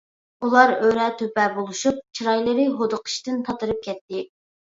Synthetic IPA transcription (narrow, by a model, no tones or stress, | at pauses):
ulˠɑɾøɾɛt̪ʰøpɛbolˠuʃup̚t͡ʃʰiɾɑjlˠɨɾɨɦod̪əqʰɨ̥ʃt̪ɨnt̪ʰɑt̪ɨɾɨp̚kʲʰɛt̪ːɪ